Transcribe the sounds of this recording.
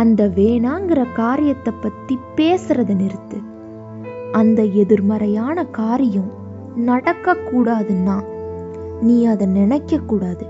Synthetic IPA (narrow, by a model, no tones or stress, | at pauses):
ɐnd̪ɐʋeːnaːŋɡɪrɐkaːɾɪjɐt̪ːɐpːɐt̪ːipeːsɯɾɐðɐnɪɾɯt̪ːɯ | ɐnd̪ɐɛðɯɾmɐɾɐjaːnɐkaːɾɪjɐ̃m | nɐɽɐkːɐkːuːɽaːðɯnːaː | niːɐðɐnɪnɐkːɐkːuːɽaːðɯ